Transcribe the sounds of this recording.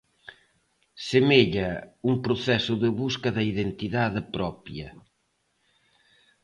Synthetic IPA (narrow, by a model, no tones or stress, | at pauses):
semeʎɐuŋpɾʊθɛsʊðɪβuskɐðɐiðent̪iðaðɪpɾɔpjɐ